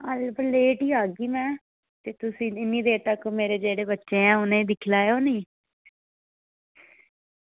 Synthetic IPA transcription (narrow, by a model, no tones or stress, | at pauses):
əlbəleːʈiːaːɡiːmɛ̃ː | t̪eːt̪ʊsĩːɪnːiːd̪eːt̪əkmeːɾeːd͡ʒeːɽeːbətːʃẽːãːʊnẽːd̪ɪkʰlaːeoːnĩː